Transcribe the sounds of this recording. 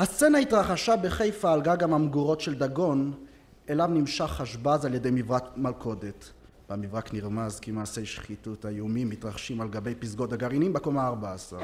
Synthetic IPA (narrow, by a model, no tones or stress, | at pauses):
hast͡senaitʁaχaʃabe̞χe̞jfaːlɡaɡamamɡuʁo̞tʃe̞ld̪aɡo̞n | e̞lavnimʃaχːaʃbazaljede̞jmivʁakmalkʰo̞det | bamivʁakniʁmazkimaːsejʃχituthajumimːitʁaχʃimalɡabe̞jpizɡo̞taɡaʁinimbekomaaʁbaasa̰ʁ